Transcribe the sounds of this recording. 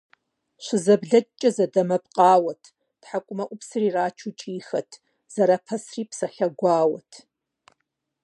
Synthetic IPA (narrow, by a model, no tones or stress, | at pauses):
ʃʷɪzɐbɮɐt͡ʃʼɐzɐdɐmɐp̚ʼqʼɑːwɐtʰ | d̥ħakʷʼʊmɐʔʷʊpsɨriraːt͡ʃʰut͡ʃʼiːxɐtʰ | z̥ɐɾaːpʰɐsriːpʰsɐɬɐɡʷɑːwɐtʰ